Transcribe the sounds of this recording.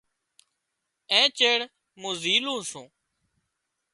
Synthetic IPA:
ẽːt͡ʃeːɽ | mũːziːlũːsũː

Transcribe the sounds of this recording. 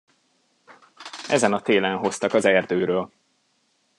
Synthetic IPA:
ɛzɛnɒt̪eːlɛnɦo̞st̪ɒkɒzɛrd̪øːɾøːl

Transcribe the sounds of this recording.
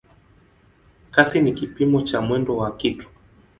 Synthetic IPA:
kasinikipimɔt͡ʃamwɛndɔwakitu̥

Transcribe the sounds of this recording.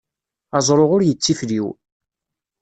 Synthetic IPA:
ɑzˤɾoʁʊɾjət͡sːifliw

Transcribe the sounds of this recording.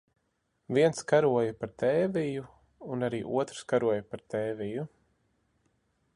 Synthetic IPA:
viɛnskaɾuɔjapaɾt̪ɛːviju | unaɾiːʔuɔt̪ɾ̥skaɾuɔjpaɾt̪ɛːviju

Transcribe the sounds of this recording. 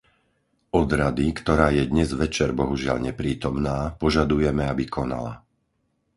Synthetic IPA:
ɔd̪ɾad̪ikt̪ɔɾaːjɛd̪ɲɛzʋɛt͡ʃɛɾbɔɦuʒɪa̰ʎɲɛpɾiːt̪ɔmnaːpɔʒad̪ujɛmɛabikʰɔna̰la̰

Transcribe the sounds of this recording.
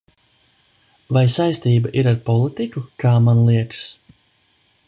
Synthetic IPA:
vajsajst̪iːbaʔiɾaɾpɔlˠit̪ikukaːmanlˠiɛks

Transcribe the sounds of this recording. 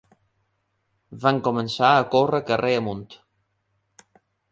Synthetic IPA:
βaŋkomənsaəkorəkəreəmunt̪

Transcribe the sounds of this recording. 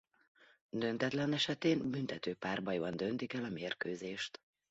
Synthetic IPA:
d̪ø̞nt̪ɛt̪lɛnɛʃɛt̪eːnbynt̪ɛt̪øːpaːrbɒjvɒnd̪ø̞nt̪ikɛlɒmeːrkøːzeːʃt̪

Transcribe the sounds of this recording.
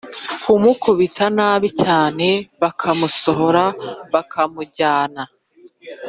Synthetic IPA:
kʰumukuβitʰanaːβicaːne̞βakʰamuso̞ɦoɾaβakʰamuɟaːna

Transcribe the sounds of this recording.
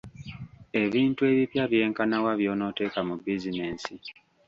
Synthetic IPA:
e̞βiːntue̞βipjaβje̞ːŋkanawaβjo̞ːno̞ːte̞ːkamubizine̞ːnsi

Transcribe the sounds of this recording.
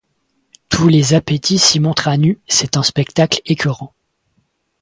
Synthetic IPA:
t̪ʰulezapet̪ʰisimɔ̃t̪χanysɛt̪ɛ̃spɛkt̪aklekʰʲyʁɑ̃

